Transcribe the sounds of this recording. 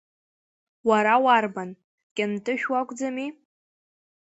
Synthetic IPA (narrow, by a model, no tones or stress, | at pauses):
waɾawarban | kʲʼɪmtʼɨʃᶣwakʷʼd͡zami